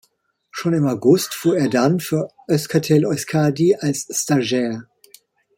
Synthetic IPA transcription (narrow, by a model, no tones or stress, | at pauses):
ʃoːnɪmaʊɡʊstfuːɐeːɐdanfyːɐʔœskʰatʰɛlɔskʰaːdiʔalsːtaʒɛːɐ